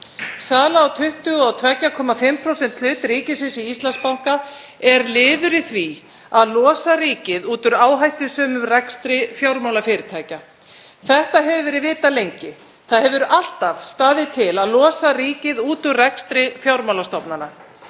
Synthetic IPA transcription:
saːlaːwt̪ʰʏht̪ʏɣɔawt̪ʰvɛcakʰɔːmafɪmpʰɾowsɛnt̪ʰlʏːt̪ɾiːcɪsɪsiist̪lanspawhka | ɛɾlɪːðʏɾɪθvi | aðlɔːsaɾiːcɪðuːt̪ʏɾaːwɦajht̪ʏsœːmʏmrɛkst̪ɾɪfjawɾmawlafɪːɾɪ̥t̪ʰaːjca | θɛht̪aɦɛvʏvɛːɾɪðvɪːt̪alejɲcɪ | θaðhɦɛvʏɾal̥t̪av̥st̪aːðɪt̪ʰɪlaðlɔːsariːcɪðuːt̪ʏmrɛkst̪ɾɪfjawɾmawlast̪ɔpnana

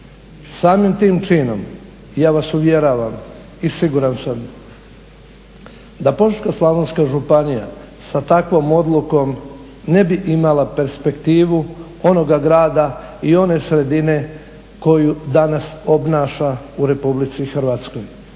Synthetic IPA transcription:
saːmimt̪iːmt͡ʃiːno̞m | jaːʋasuʋje̞ɾaʋam | isiɡuɾansam | d̪apo̞ʃkaslˠaʋonskaʒupanija̰ | sat̪akʋo̞ːmo̞d̪lˠuko̞m | ne̞biʔimalape̞ɾspe̞kt̪iːʋu | o̞no̞ɡaɡɾaːd̪aio̞ne̞sɾe̞d̪ine̞ | ko̞jud̪anaso̞bnaːʃa | uɾe̞publit̪sixrɾ̩ʋat̪sko̞j

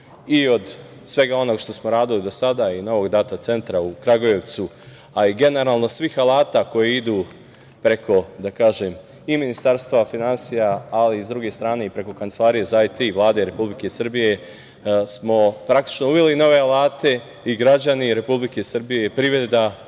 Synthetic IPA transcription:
io̞d̪ | sʋe̞ɡao̞no̞ɡʃt̪o̞smoɾaːd̪ilid̪o̞sad̪aino̞ʋo̞ɡd̪at̪at̪se̞nt̪ɾaukɾaɡoje̞ʋt̪su | aiɡe̞neɾaːlˠno̞sʋixalaːt̪ako̞jeid̪uː | pɾe̞kʰo̞d̪akaːʒem | iminist̪aɾst̪ʋafinansijaːliizd̪ɾuɡe̞st̪ɾaːne̞ipɾe̞ko̞kant̪selˠaːɾije̞zajt̪iʋlˠaːd̪eɾe̞publike̞sr̩bije̞ | smo̞pɾak̚t̪i̥t͡ʃno̞uʋelino̞ʋe̞alaːt̪e̞ | iɡɾad͡ʑaniɾe̞publike̞sr̩bije̞pɾiʋɾe̞d̪a

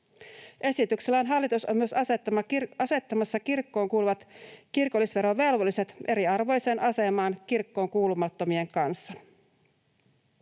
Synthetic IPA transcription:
ʔe̞sit̪ykselːɑːnɦɑlːit̪usomyøsɑset̪ːɑmɑɑse̞t̪ːɑmɑsːɑkirkːo̞ːŋkuːluʋɑt̪kirko̞lːisʋe̞ɾoʋʋe̞lʋolːise̞t̪ʔe̞ɾiɑrʋo̞jse̞ːnʔɑse̞mɑːnkirkːo̞ːŋkuːlumɑt̪ːo̞mie̞ŋkɑnsːɑ

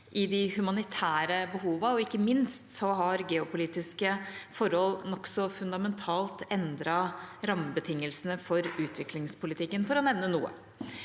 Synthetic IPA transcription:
ʔɪd̪ɪhʉmɑnɪt̪ʰæːɾəbəɦuːʋɑɔɪkːəmɪnst̪sɔɦɑɾɡɛːɔpʊliːt̪ɪskəfɔɾhɔlːnɔksɔfʉnd̪ɑmɛnt̪ʰɑːlt̪ɛnd̪ɾɑɾɑmbət̪ʰɪŋːəlsənəfɔɾʉːt̪ʰʋɪklɪŋspʰʊlɪt̪ʰɪkːənfɔɾɔnɛʋnənṵːə̰

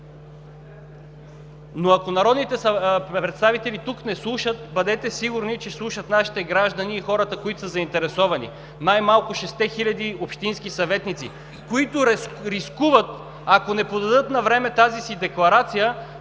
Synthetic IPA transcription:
noɐkonɐɾɔd̪nit̪ɛɾɛt̪st̪avit̪ɛlit̪uknɛslˠuʃət̪̚bɐd̪ɛt̪ɛsiɡʊɾnit͡ʃɛslˠuʃət̪naʃi̥t̪ɛɡɾaʒd̪əniːxɔɾət̪əkoit̪osəzɐint̪ɛɾɛsɔvɐnḭ | najmalˠkʊʃɛst̪ɛxilʲɐd̪iopʃt̪inskisɐvɛt̪nit̪sḭ | koit̪ʊɾiskuvət̪ | akonɛpod̪ɐd̪ɤt̪nɐvɾɛmɛt̪azisid̪ɛklˠɐɾat̪sijə

